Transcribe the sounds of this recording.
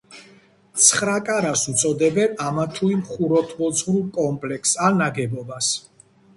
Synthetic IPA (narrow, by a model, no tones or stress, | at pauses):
t̪sʰχɾakʼaɾasmt̪sʼɔd̪ɛbɛnamat̪ʰuimχuɾɔt̪ʰbɔzʁɾulˠkʼɔmpʼlɛksanaɡɛbɔbas